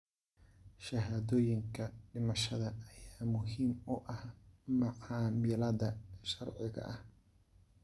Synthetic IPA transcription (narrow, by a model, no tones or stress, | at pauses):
ʃɐɦaːðɔːjɪŋkʰɐɖɪmɐʃɐðɐːjaːmʊɦiːmʊʔɐhmɑʕɑːmɪlɐðɐʃɐrʕɪɣɐ̰ʔɐh